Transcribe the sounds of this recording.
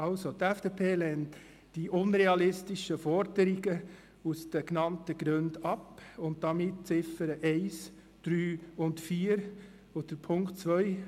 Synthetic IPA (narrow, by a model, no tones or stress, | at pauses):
ɑlsotɛfd̥eːpʰeːlɛnt | d̥iʔʊnɾeɑlɪstɪʃəfɔɾdəɾɪɡə | usd̥əknɑntəɡɾøndɑpʊnt̚d̥ɑmɪt̚t͡sɪfəɾəʔɛɪs | d̥ɾyːʊntfiːɾ | od̥əpʰʊŋktt͡svœʏ